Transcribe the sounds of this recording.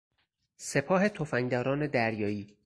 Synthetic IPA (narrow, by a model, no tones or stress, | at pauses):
se̞pʰɒːɦe̞t̪ʰofæŋd̪ɒːɾɒːne̞d̪æɾjɒːiː